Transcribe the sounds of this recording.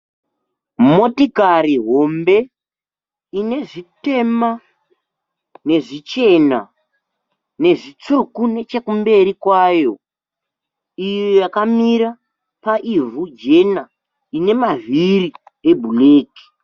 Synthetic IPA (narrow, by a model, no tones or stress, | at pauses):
mo̞tikariɦo̞mbe̞ | ine̞ʐite̞ma | ne̞ʐit͡ʃe̞na̰ | ne̞ʐit͡sukune̞t͡ʃe̞kumbe̞ɾikwajo̞ | ijojakamiɾa | paʔivud͡ʒe̞na | ine̞maviɾie̞bʱuleːki̥